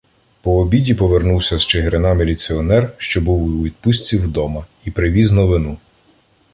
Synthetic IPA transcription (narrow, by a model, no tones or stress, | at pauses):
pɔːbʲidʲipɔʋernuwsʲɐz̥t͡ʃeɦeɾenɑmelʲit͡sʲiɔnɛrʃt͡ʃɔbuwʋʲid̪̚pusʲt͡sʲiwd̪ɔmɐipɾɪʋʲiznɔʋɪnu